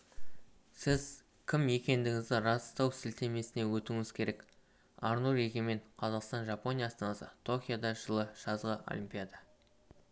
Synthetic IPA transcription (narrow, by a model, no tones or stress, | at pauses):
sɪz | kʲʰɪmje̞kʲe̞nd̪ɪŋʲɪzd̪ɪɾɑst̪ɑwsɪlt̪ʰe̞me̞sɪne̞wɵt̪uŋɪz̥kʲʰe̞ɾe̞k | ɑɾnuɾe̞ɡʲeme̞ɴqʰɑzɑqst̪ɑnʒɑpo̞nʲijasɑnɑsət̪ʰo̞kʲijad̪ɑʒəlˠəʒ̥ɑzʁəʔo̰lʲimpʲijad̪ɑ